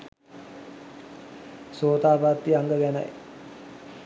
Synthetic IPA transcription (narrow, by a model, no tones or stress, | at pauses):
soːt̪aːbat̪ʋiaŋɡəɡæna̰j